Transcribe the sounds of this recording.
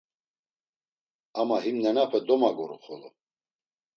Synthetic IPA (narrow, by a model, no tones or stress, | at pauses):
amaɦimnɛnapʰɛd̪ɔmaɡɔɾṵχɔlɔ